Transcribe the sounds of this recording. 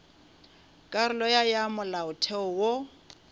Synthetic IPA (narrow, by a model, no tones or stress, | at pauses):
kʼaɾʊlɔjajamʊlaʊtʰɛʊwo